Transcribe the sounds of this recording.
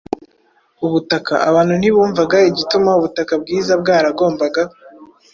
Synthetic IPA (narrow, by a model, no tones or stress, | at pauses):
uβutaka̰ʔaβaːn̥huniβuːɱvaɡaiɟitumauβutakab̚ɡiːzabɡaːɾaɡo̞ːmbaɡa